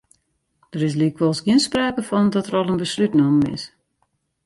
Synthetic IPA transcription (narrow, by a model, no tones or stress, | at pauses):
d̥əɾɪs̬liəkʋɔlˠsɡiənspraːkəfɔndɔtərɔlˠənbəslytnɔmɪ̰s